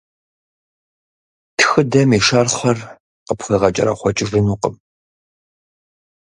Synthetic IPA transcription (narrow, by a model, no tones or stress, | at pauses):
tʰxɨdɐmiʂɐrχʷɐr | qəpχiːʁɐt͡ʃʼɐ̰ɾɐ̰χʷɔt͡ʃʼɪvɨnuːqəm